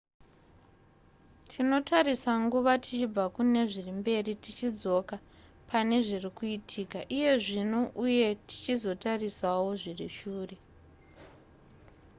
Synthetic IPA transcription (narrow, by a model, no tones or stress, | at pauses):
tʰino̞tʰarisaŋɡuʋatit͡ʃib͡vakune̞ʐirimbe̞ritit͡ʃid͡zo̞ka | pʰane̞ʐirikuitʰiːkaʔije̞ʐinuʔuje̞ti̥t͡ʃizo̞tarisawo̞ʐiriʃuːre̞